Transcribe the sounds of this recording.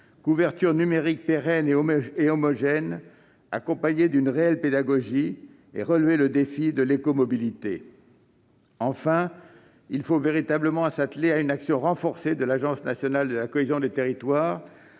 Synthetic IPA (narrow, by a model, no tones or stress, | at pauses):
kuvɛʁt̪yʁnymeʁik̚peʁɛneeɔmɔʒɛn | a̰kɔ̃paɲed̪ynʁeɛlped̪aɡɔʒi | ḛʁəlveləd̪efid̪əlekɔmɔbilit̪ḛ | ɑ̃fɛ̃ | ilfoveʁit̪abləmɑ̃sat̪leaynaksjɔ̃ʁɑ̃fɔʁsed̪əlaʒɑ̃snasjɔnald̪əlakɔezjɔ̃d̪et̪eʁit̪waːʁ